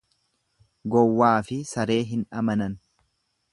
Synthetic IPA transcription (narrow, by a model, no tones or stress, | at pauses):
ɡɔwːaːfɪsɐɾe̞ːɦɪnᶑɐmɐnɐn